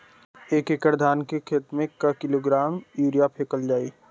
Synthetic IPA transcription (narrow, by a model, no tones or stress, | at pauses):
eːkekəɾd̪ʱaːnkekʰeːt̪mẽkːakɪloːɡɾaːmjuːɾijapʰeːkəld͡ʒaːiː